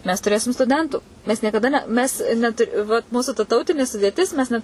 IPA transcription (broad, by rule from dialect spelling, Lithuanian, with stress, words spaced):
mʲɛs tʊˈrʲeːsʲɪm stʊˈdʲɛntuː ˈmʲɛs nʲiɛkɐˈdɐ nʲɛ ˈmʲɛs nʲɛˈtʊrʲ ʋɐt ˈmuːsʊ tɐ ˈtɐʊtʲɪnʲɪ sʊdʲeːˈtʲɪs mʲɛs ˈnʲɛt